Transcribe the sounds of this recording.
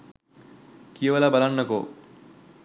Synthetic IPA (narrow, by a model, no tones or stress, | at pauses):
kijəʋɐlabalanːəko